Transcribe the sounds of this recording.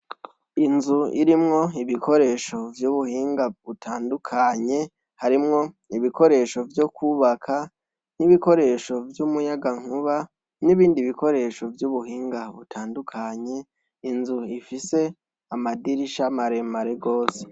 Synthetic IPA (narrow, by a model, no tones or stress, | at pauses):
inzuḭɾimŋo̞iβikʰo̞ɾe̞ːʃo̞vjuːβuhiːŋɡaβutʰaːndukʰaɲe̞ | haɾimŋo̞ | iβiko̞ɾe̞ːʃo̞vjokuβakʰa | niβiko̞ɾe̞ʃo̞vjumujaɡaŋ̥huβa | niβiːndiβiko̞ɾe̞ʃo̞vjuːβuhiːŋɡaβutʰaːndukʰaɲe̞ | inzuifise̞ | amadiɾiʃamaɾe̞maɾe̞ɡo̞ːse̥